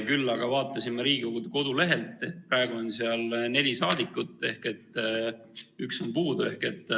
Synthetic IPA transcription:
kylːɑɡ̥ɑvɑːt̪ːˑɑsimːeɾiːɡikoɡud̪ko̞d̪̥ule̞ɦe̞lt̪ˑːeprɑe̞ɡ̥uonseɑlne̞d̪isɑːd̪̥ikːˑut̪ːˑe̞hke̞t̪ː | ykso̞npuːd̪ue̞hke̞t̪ˑː

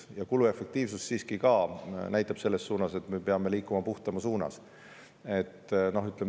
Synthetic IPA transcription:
jɑkulue̞fe̞k̚t̪iːvsust̪ːiːskikɑːnæjt̪ːˑɑb̥se̞lːe̞ssuːnɑse̞t̪ːˑme̞peɑme̞liːkˑːumɑpuht̪ɑmɑsuːnɑ̰s | e̞t̪ːˑno̞ɦyt̪ˑlem

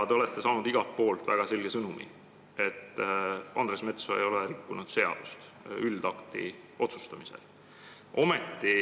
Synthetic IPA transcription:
t̪e̞o̞le̞t̪ːe̞sɑːnud̪iɡ̥ɑlt̪̚po̞ːlt̪væɡ̥ɑse̞lɡ̥e̞sɤnumḭ | e̞t̪ːɑnd̪ɾesme̞t̪soḛjo̞leɾikːunud̪̥se̞ɑ̰d̪̥ust̪ | yld̪̥ɑkt̪ḭ | ʔo̞t̪sust̪ɑmise̞̰l | ʔo̞me̞t̪ːi

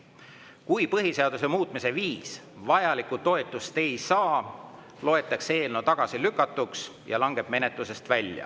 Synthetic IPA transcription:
kujpɤɦiseɑd̪use̞muːt̪ˑmise̞viːs | vɑjɑlikut̪o̞et̪ːˑust̪e̞jsɑː | lo̞e̞t̪ːˑɑkse̞ːlno̞t̪ɑɡ̥ɑsilykːˑɑt̪ːˑuksjɑ̰lɑŋɡ̥e̞b̥me̞ne̞t̪luse̞st̪vælʲjɑ̰

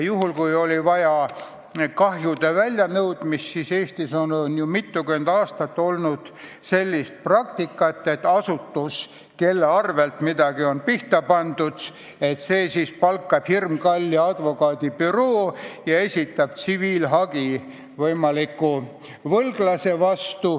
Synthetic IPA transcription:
juɦulkujo̞lʲivɑjɑ | kɑɦjud̪̥evælʲjɑnɤwd̪̥mist̪sise̞ːst̪iso̞nnjumit̪ːukymend̪ɑːst̪ɑt̪ːo̞lnud̪̥ | se̞lʲːist̪̚prɑkt̪ikːˑɑt̪ːe̞t̪ːˑɑsut̪ːus | ke̞lːeɑrve̞lt̪mid̪̥ɑɡio̞npiht̪ɑpɑnd̪ud̪̥ | e̞t̪seːsispɑlkːɑb̥hirmkɑlʲːiɑd̪̥vo̞kɑːd̪̥ʲipyɾo̞ːjɑe̞sʲit̪ːˑɑb̥̚t̪siviːlɦɑɡ̥i | vɤjmɑlikːˑu | vɤlɡ̥lɑse̞vɑst̪u

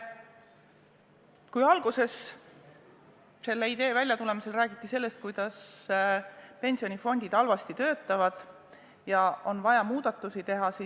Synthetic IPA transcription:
kujɑlɡ̥use̞s | se̞lːeid̪e̞ːvælʲjɑt̪ule̞mise̞lræːɡ̥it̪ːˑise̞lːe̞st̪̚kujd̪̥ɑs | pe̞nʲsio̞nʲifo̞nʲd̪̥id̪̥ɑlvɑst̪it̪ø̞ːt̪ːˑɑvɑd̪̥ | jɑo̞nvɑjɑmuːd̪̥ɑt̪ːˑusit̪e̞ɦɑsi

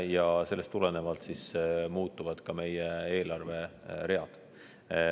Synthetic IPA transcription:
jɑse̞lːe̞st̪ːˑulene̞vɑlt̪sismuːt̪ːˑuvɑd̪̥kɑme̞jee̞ːlɑrve̞ɾe̞ɑd̪̥

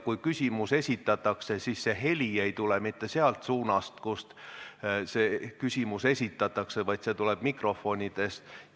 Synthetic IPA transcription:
kujkysʲimuse̞sʲit̪ːˑɑt̪ːˑɑkse̞siːsːe̞ɦe̞lʲie̞jt̪ulemit̪ːe̞seɑlt̪suːnɑst̪kust̪ | seːkysʲimuse̞sʲit̪ːˑɑt̪ːˑɑkse̞vɑjd̪se̞t̪uleb̥mikro̞fo̞nʲid̪̥e̞st̪

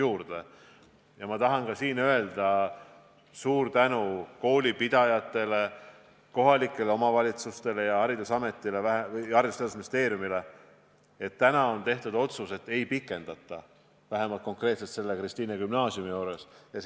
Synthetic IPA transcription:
juːɾd̪̥e̞ | jɑmɑt̪ɑɦɑnkɑsiːnø̞e̞ld̪̥ɑ | suːɾt̪ænuko̞ːlʲipid̪̥ɑjɑt̪ːˑe̞le̞ | ko̞ɦɑlikːˑe̞le̞o̞mɑvɑlʲit̪sust̪e̞le̞jɑɑɾid̪usɑme̞t̪ːˑile̞væɦevjɑrjust̪ɑd̪usminist̪e̞ːɾjumile̞ | et̪ːænɑo̞nt̪e̞ht̪ud̪o̞t̪suse̞t̪ːˑe̞jpikːˑe̞nd̪̥ɑt̪ːˑɑ | væɦe̞mɑlt̪̚ko̞ŋkˑre̞ːt̪se̞lt̪se̞lːe̞krist̪iːnekymnɑːsiumijoːɾe̞sjɑs

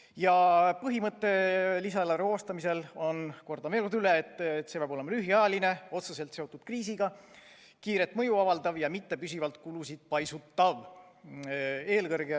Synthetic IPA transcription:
jɑpɤɦimɤt̪ˑːe̞lisɑleɾoːst̪ɑmise̞lo̞nko̞rd̪ɑmeːɾut̪yleːt̪ːˑt̪sebɑbo̞le̞mɑlyɦiɑjɑline̞o̞t̪sese̞lt̪se̞o̞t̪ːˑud̪̥kriːsiɡ̥ɑ | kiːɾet̪ːˑmɤ̞juɑvɑld̪ɑvjɑmit̪ːe̞pysivɑlt̪ˑkulusid̪̥̚pɑjsut̪ːɑv | e̞ːlkɤɾɡ̥e

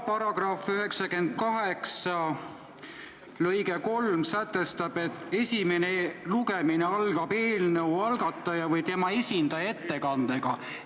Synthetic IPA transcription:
pɑɾɑɡ̥rɑfyɦe̞ksɑkend̪̥̚kɑɦeksɑ | lɤjɡeko̞lmsæt̪ːˑe̞st̪ɑb̥e̞t̪ːˑe̞sʲime̞neluɡe̞mineɑlɡɑbe̞ːlnɤwɑlɡ̥ɑt̪ːˑɑjɑvɤjt̪e̞mɑe̞sʲind̪̥ɑje̞t̪ːe̞kɑnd̪̥eɡ̥ɑ

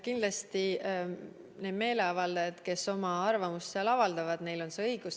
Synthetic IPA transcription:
kinlɑst̪i | ne̞ːd̪me̞ːle̞ɑvɑld̪ɑjɑd̪̥ke̞so̞mɑɑrvɑmust̪seɑlɑvɑld̪̥ɑvɑd̪̥ne̞jlo̞nse̞ɤjɡ̥us

